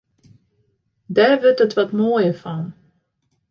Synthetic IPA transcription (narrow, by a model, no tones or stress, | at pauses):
daːɹʋøɹtɦətʋɑtmoːjəfɑn